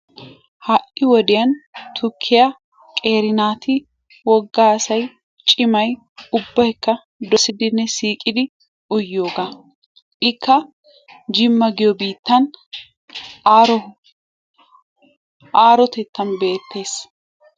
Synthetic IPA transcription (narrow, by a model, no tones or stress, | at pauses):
hɐʔɪwɔd̪ɪjɐnt̪ʰʊkʰːɪjɐ | kʼe̞ːɾɪnaːt̪ɪ | wɔɡːaːsɐj | t͡ʃʼɪmɐj | ʊbːɐjkːɐ | d̪ɔsɪd̪ɪnːɛsiːkʼɪd̪ɪ | ʊjːo̞ːɡaː | ʔɪkːɐ | d͡ʒɪmːɐɡɪjɔbiːt̪ːɐn | ɾɔ | ʔaːɾɔt̪ɛt̪ːɐnbe̞ːt̪ːe̞ːs